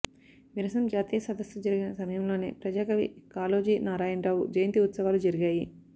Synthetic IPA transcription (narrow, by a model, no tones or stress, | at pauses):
ʋiɾɐsɐmd͡ʒaːt̪iːjɐsɐd̪ɐsɾud͡ʒɐɾiɡinɐsɐmɐjɐmlo̞ːnḛːpɾɐd͡ʒaːkɐʋḭkaːloːd͡ʒiːnaːɾaːjɐnɾaːwud͡ʒɐjɐnt̪iut̪sɐʋaːlud͡ʒɐɾiɡaːji